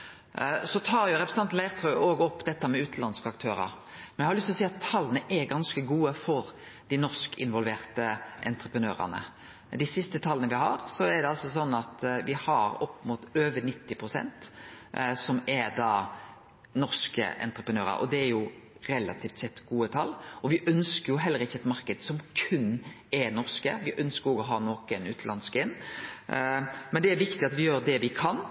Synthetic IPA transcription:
sɔt̪ʰɑːɾjʊɾɛpɾs̩ɑnlæɪʁt̪ʰœʏoːɡɔpːd̪ɛt̪ːəmɛʉːt̪n̩lɑnskəɑkt̪ʰøːɾə̰ɾ | mɛnæhɑɾlʏst̪ɔsiːɑt̪ʰːɑlːənəʔɛɾɡɑnskəɡuːəfɔɾ | d̪̥ɪnɔɾskɪnʋɔlʋeːɾt̪əʔɛ̰nt̪ɾəpɾənøːɾə̰nə̰ | d̪ɪsɪst̪ət̪ʰɑlːənəʋɪhɑ̰ɾsɔɛd̪ɛɑlsɔs̬ɔnːɑt̪ʋɪhɑɾɔpːmuːt̪øːʋənɪt̪ːɪpʰɾʊsɛ̰nt̪ | sɔmɛɾd̪ɑː | nɔɾskə̰ʔɛ̰nt̪ɾəpɾənøːɾə̰ɾɔ̰d̪ɛæɾjʊɾɛlɑ̰t̪ʰiːft̪sɛt̪ːɡuːət̪ʰɑlːɔʋɪʔœnskəjʊɦɛlːəɾɪçːəɛt̪mɑɾkəd̪sɔmkʰʉnː | ɛɾnɔʁskəʋɪʔœnskəɾɔɡɔɦɑːnoːkənʉ̰ːt̪ʰlɑnskɪn | mɛnd̪ɛæɾʋɪkt̪ɪɑt̪ʋɪjøːɾd̪ɛʋɪkʰɑn

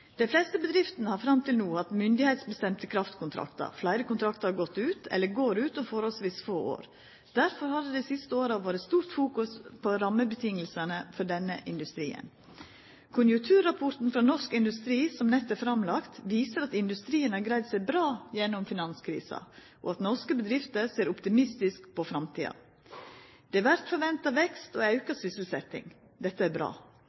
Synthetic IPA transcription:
d̪̥ɛnflɛst̪əbəd̪ɾɪft̪nəhɑɾfɾɑmt̪ʰɪlnuːɑt̪mʏnd̪ɪhɛɪt̪sbəst̪ɛmt̪əkʰɾɑft̪kʰʊnt̪ʰɾɑ̰kt̪ɑ̰ɾflæɪɾəkʊnt̪ɾɑkt̪əɾhɑɾɡɔt̪ːʉːt̪ʰɛ̰lːəɾɡoːɾʉːt̪ɔfoːɾhɔlsʋiːsfoːo̰ːɾ | d̪̥æɾfɔɾhɑd̪əd̪æɪsɪst̪əoːɾɑʋoːɾət̪st̪uːɾt̪fuːkʉspʰɔɾɑmːəbət̪ʰɪŋːəlsənəfɔɖɛnːəʔɪnd̪ʉst̪ɾḭːə̰n | kʰʊnjʉŋk̚t̪ʰʉːɾɑpʰɔɾt̪n̩fɾɑnɔʂkɪnd̪ʉst̪ɾiːsɔmnɛt̪ːæɾfɾɑmlɑkt̪ʋiːsəɾɑt̪ɪnd̪ʉst̪ɾiːənæɾɡɾæɪd̪sæɪbɾɑːjɛnːʊmfɪnɑnskʰɾḭːsɑ̰ | ʔɔɑt̪nɔʂkəbəd̪ɾɪft̪əɾseːɾʊpt̪ɪmɪst̪ɪskpɔfɾɑmt̪ʰḭːɑ̰ | d̪̥ɛæʋæɾt̪fɔɾʋɛnt̪ɑʋɛkst̪ɔɑʉkɑsʏsəl̩sɛt̪ɪ̰ŋ | d̪ɛt̪ːəæɾbɾɑ̰ː

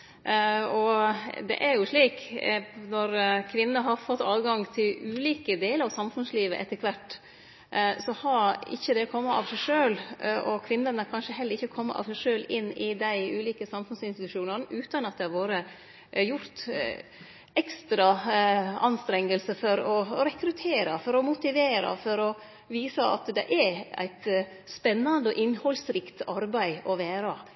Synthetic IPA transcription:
ɔd̪ɛ̰ʔæɾjʊʂɭiːknɔɾkʰʋɪnːəɦɑɾfɔt̪ːɑːʋɡɑŋt̪ʰɪlʉːliːkəd̪eːləɾɑʋsɑmfʉnsliːʋə̰ʔɛt̪ːəkʰʋæʈː | sɔhɑɾɪ̰çːəd̪ɛɔkʰɔmːəʔɑ̰ʋsæɪʂøːlʔɔkʰʋɪnːənəkʰɑnʂəɦɛləɾɪçːəkʰɔmːə̰ʔɑ̰ʋsæɪʂøːlɪnːɪd̪æɪʉːliːkəsɑmfʉnsɪnst̪ɪt̪ʉ̥ʂuːnənəʔʉːt̪ɑnɑt̪̚d̪ɛhɑɾʋoːɾə | jʊɾt̪ | ɛkst̪ɾɑ | ɑnst̪ɾɛŋːəlsəfɔɾɔɾɛkɾʉt̪ʰeːɾɑfɔɾɔmʊt̪ɪʋeːɾɑ̰fɔɾɔ | ʋiːsɑɑ̰t̪d̪ɛ̰ʔææ̰ɪt̪ | spɛnːɑnd̪əɔʔɪnhɔlsɾɪkt̪ɑɾbæɪɔʋæːɾɑ

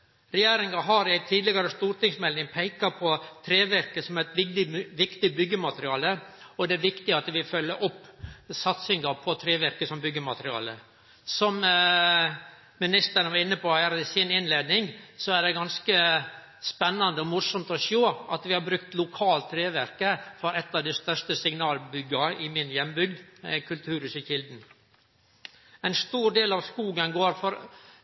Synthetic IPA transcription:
ɾɛjeːɾɪŋɑɦɑɾæt̪ʰiːd̪lɪɡɑɾəst̪uːɾʈ̪ɪŋsmɛlnɪŋpʰæɪkɑpʰɔt̪ʰɾeːʋæɾkəsɔmæɪt̪ʋɪɪʋɪkt̪ɪbʏɡːəmɑt̪əɾɪɑːləɔd̪ɛæɾʋɪkt̪ɪɑt̪ʋɪfœlːəɾʔɔpːsɑt̪sɪŋɑpʰɔt̪ʰɾeːʋæɾkəsɔmbʏɡːəmɑt̪əɾɪɑ̰ːlə | sɔm | mɪnɪst̪əɾənʋɑɾɪnːəpɔæɾəɪsɪnɪnleːd̪nɪŋsɔæɖɛɡɑnskəspɛnːɑnd̪əɔmʊsɔmt̪ɔʃoːʔɑt̪ʋɪhɑbɾʉkt̪lʊkʰɑːlt̪ʰːɾeːʋæɾkəfɔɾɛt̪ːɑːʋd̪æɪst̪œʂtəsɪŋnɑːlbʏɡɑɪmɪnjɛmːbʏɡd̪kʰʉlt̪ʰʉːɾʉsəçɪld̪n̩ | ɛɪnst̪uːɾɖ̪eːlɑʋskuːɡənɡoːɾfɔɾ

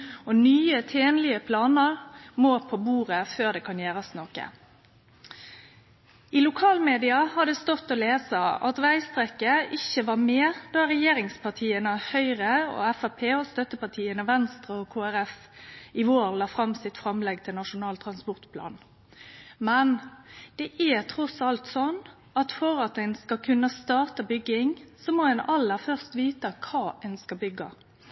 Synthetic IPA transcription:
ɔnyːət̪ʰeːnlɪəpʰlɑːnəʁmoːpʰobuːʁəføːʁd̪ɛːkʰɑnjeːɾɑsnɔkə̰ | ilʊkʰɑːlmeːd̪ɪɑhɑd̪ɛst̪ɔt̪ːɔleːsəɑ̰t̪ʋæɪst̪ʁɛkəʔɪçəʋɑʁmeːʁd̪̥ɑɾɛjeːɾɪŋspʰɑʁt̪ʰiːənəhœʏʁəɔ̰ɛfæpʰeːɔst̪œt̪əpɑt̪ʰiːənəʋɛnst̪ʁəɔkʰoːæʁɛfɪʋoːɾlɑːfɾɑmsɪt̪fɾɑmlɛɡt̪ʰɪlnɑʂʊnɑːlt̪ʰɾʁɑnspɔʁt̪pʰlɑ̰ːn | mɛnd̪̥ɛʔæt̪ʰɾɔsɑlt̪sɔnː | ɑt̪fɔɾɑt̪ænskɑkʰʉnːəst̪ɑːʁt̪ɑbʏɡːɪŋsɔmɔɛnɑlːəɾfœʁst̪ʋiːt̪əkʰɑːɛnskɑbʏɡːɑ̰

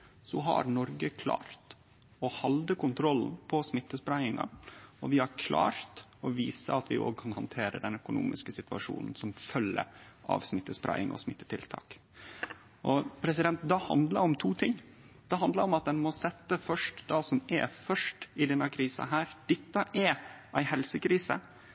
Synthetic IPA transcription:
sɔɦɑ̰ɾnɔɾɡəkʰlɑ̰ːɾt̪ | ɔhɑld̪əkʊnt̪ʰɾɔln̩pʰɔsmɪt̪ːəspɾæɪɪŋɑ̰ɔʋɪhɑɾkʰlɑ̰ːɾt̪ɔʋiːsə̰ɑt̪ʰʋɪʔo̰ːɡ̚kʰɑnhɑnt̪ʰeːɾə̰d̪ɛnœkʊnṵːmʔɪskəsɪt̪ʉɑ̰ʂṵːnn̩sɔmfœlːə̰ʔɑ̰ʋsmɪt̪ːəspɾʔæ̰ɪɪ̰ŋʔɔ̰smɪt̪ːə̥t̪ʰɪlt̪ʰɑ̰ːk | ʔɔpʰɾɛs̬ɪd̪ɛnt̪̚d̪ɑhɑ̰nd̪ləɾɔmt̪ʰuːt̪ʰɪŋ | d̪̥ɛɦɑnd̪ləɾɔmɑt̪̚d̪ɛnmɔsɛt̪ːəfœʂʈd̪ɑːsɔmɛ̰fœʂʈɪd̪ɛnːɑkʰɾiːsɑ̰ɦæːɾd̪̥ɛt̪ːəʔɛʔæɪhɛlsəkʰɾiːsə̰

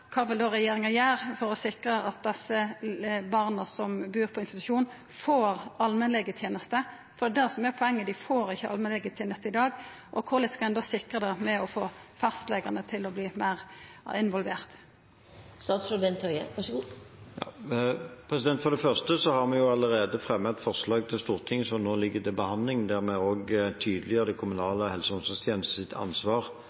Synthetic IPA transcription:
kʰɑːʋɪld̪oːʁɛjeːɾɪŋɑjæːʁfɔɾɔsɪkʁəʔɑt̪̚d̪ɛsːəbɑʁnəsɔmbʉːʁpʰɔɪnst̪ɪt̪ʉ̥ʃuːnn | foːɾɑlmɛnlɛɡət̪ʰjeːnəst̪ə | fɔɾd̪ɛd̪æsɔmɛpʰɔɛŋːəd̪ɪfoːɾɪçːəɑ̰lmɛnlɛɡət̪ʰjeːnəst̪əɪd̪ɑːɡ | ʔɔkʰʊʁlɪt̪skɑɛnɔsɪkɾəd̪ɛmɛɔfoːfɑst̪lɛːɡɑnət̪ʰɪlɔbliːmæɪʁ | ɪnʋɔlʋeːʁt̪ | st̪ɑːt̪sɾʊbɛnt̪ʰœʏəʋɑʂəɡuːjɑ̰ː | pʰɾɛsɪd̪ɛnt̪fɔɾd̪ɛfœʁst̪əsɔhɑʁmɛjʊɑləʁeːd̪əfʁɛmːət̪fɔʁslɑːɡ̚t̪ʰɪlst̪uːʁt̪ʰɪŋːsɔnoːlɪɡːəd̪ɛbəhɑnd̪lɪŋd̪æʁmɛoːɡt̪ʰyːd̪əlɪəʁəd̪ɛkʰʊmʉnɑːləhɛlsəʊnsɔst̪ʰjeːnəst̪əsɪt̪ʰɑ̰nsʋɑːʁ

